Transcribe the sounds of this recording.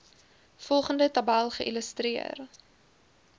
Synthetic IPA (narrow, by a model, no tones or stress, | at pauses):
fɔlˠχəndətɐbælˠχəʔiləstriə̰r